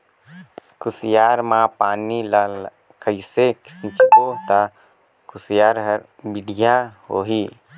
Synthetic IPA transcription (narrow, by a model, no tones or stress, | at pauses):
kʊsijaːɾmãpaːnilal | kəɪseksĩt͡ʃkot̪a | kʰʊsjaːɾɦəɾ | bɪɖijaho̰ːɦiː